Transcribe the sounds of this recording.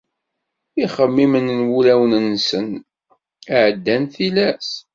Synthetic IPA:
iχəmːimənnwulæwnənsən | əʕd̪ːænθilæs

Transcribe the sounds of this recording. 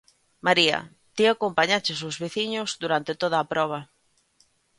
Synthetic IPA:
maɾiɐ̰ | t̪iakompaɲat͡ʃɪsʊzβiθiɲʊzd̪uɾant̪ɪt̪oð̞ɐːpɾɔβ̞ɐ

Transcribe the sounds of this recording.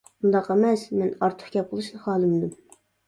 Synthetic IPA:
und̪ɑqæmɛsmɛnɑɾt̪ʰə̥χkʲɛp̚qʰəlˠɨʃnɨχɑːlˠɨmd̪ɨm

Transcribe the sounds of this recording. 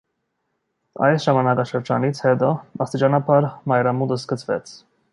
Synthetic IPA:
ɑ̰jsʒɑmɑnɑkɑʃəɾd͡ʒɑ̰nit͡sʰhɛt̪ɔɑst̪it͡ʃɑnɑpʰɑɾmɑjɾɑmud̪əskət͡sʰvɛ̰t͡sʰ

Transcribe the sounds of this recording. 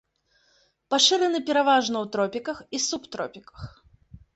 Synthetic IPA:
paʂɨɾɨnɨpʲɛɾavaʐnɐwt̪ɾɔpʲikɐxisupt̪ɾɔpʲikɐ̥x

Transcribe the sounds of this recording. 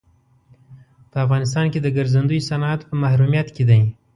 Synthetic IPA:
pəafɣɑnɪs̬t̪ɑnked̪əɡaɾzand̪ujsanat̪pəmahɾumijat̪ked̪aj

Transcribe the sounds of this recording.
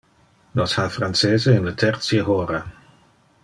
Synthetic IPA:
nɔshafransɛːzəɪnlətʰɛrtsjəɦoːɾə

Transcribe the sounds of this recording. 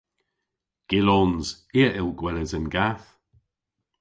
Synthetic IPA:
ɡ̥ɪlɔnz̥ | iəʔɪlɡwɛləzənɡaθ

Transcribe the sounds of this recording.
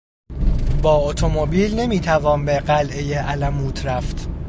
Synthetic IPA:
bɒːot̪ʰo̞mobiːlne̞miːt̪ʰævɒːnbeɢælʔejeʔælæmuːt̪ʰɾæft̪

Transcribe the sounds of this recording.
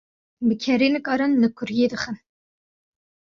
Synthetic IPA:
bəkʰɛɾeːnɨkɑːɾɨnlɨkʰʊɾjeːd̪ɨxən

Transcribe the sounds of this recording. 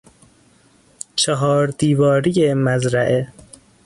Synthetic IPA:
t͡ʃʰeɦɒːɾd̪iːvɒːɾijemæzɾæʔe

